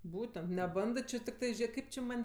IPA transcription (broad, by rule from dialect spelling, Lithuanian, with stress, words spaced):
ˈbuːtʲɛnt nʲɛˈbɐndɜ tʲɪkˈtɜ ˈʒʲeː ˈkɐɪp t͡ʃʲɪ ˈmɐnʲ